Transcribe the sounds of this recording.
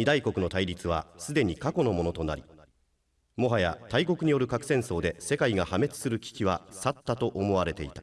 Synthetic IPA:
ɲid̪aiko̞kɯ̟no̞t̪aiɾʲit͡sɨβ̞a̰sɨd̪e̞ɲ̟ikako̞no̞mo̞no̞t̪o̞na̰ɾʲi | mo̞ɦaja̰t̪aiko̞kɯ̟ɲ̟ijo̞ɾɯ̟kakɯ̟̥sẽ̞ɰ̃so̞ːd̪e̞se̞kaiɡahame̞t͡sɨ̥sɨɾɯ̟kʲi̥kʲiβasat̪ːat̪o̞ʔomo̞βaɾe̞t̪e̞it̪ḁ

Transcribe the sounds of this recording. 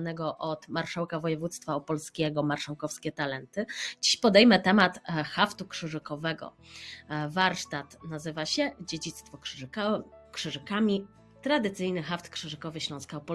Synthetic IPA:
nɛɡɔʔɔt̪maɾʂawkavɔjɛvut̪st̪faɔpɔlskʲɛɡɔmaɾʂawkɔfskʲɛt̪alɛnt̪ɘd͡ʑiɕpɔd̪ɛjmɛt̪ɛmat̪xaft̪ukʂɘʐɘkɔvɛɡɔ̰ | vaɾʂt̪at̪nazɘvaɕɛd͡ʑed͡ʑit̪st̪fɔ | kʂɘʐɘkamʲi | t̪ɾad̪ɘt̪sɘjnɘxaft̪kʂɘʐɘkɔvɘɕlɔ̃skaɔpɔ

